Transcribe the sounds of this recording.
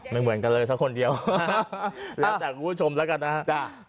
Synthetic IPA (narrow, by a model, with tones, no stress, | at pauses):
ma˥˩jmɯ˩˦ənka˧nlɤː˧jsa˦˥kʰːo˧ndi˧əw | lɛː˦˥t͡ɕaː˨˩k̚ːuː˧˦˥t͡ɕʰo˧mlɛː˦˥wka˧nːa˦˥ha˦˥ʔ